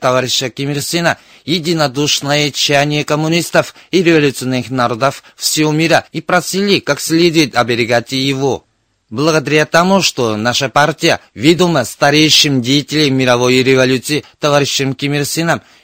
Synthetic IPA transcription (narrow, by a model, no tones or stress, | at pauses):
t̪ɐvaɾʲɪɕːəkʲɪmʲersʲɨnə | jɪdʲinɐd̪uʂnəjət͡ɕːajnʲɪjəkɐmunʲist̪əfiɾʲɪvɐlʲut̪sɨonːɨxnaɾo̞d̪əf | fsʲɪvomʲiɾəipɾɐsilʲikaksʲlʲed̪ʊjɪt̪ʲɐbʲɪɾʲɪɡatʲɪjɪvo | blˠɐɡəd̪ɐɾʲat̪ɐmuʂt̪onaʂəpartʲɪjəvʲed̪əməst̪ɐɾʲejɕɪmdʲejitʲɪlʲemʲːɪɾɐvo̞jɾʲɪvalʲut̪sɨjɪt̪ɐvaɾʲɪʃːɪmkʲɪmʲersʲɨnəm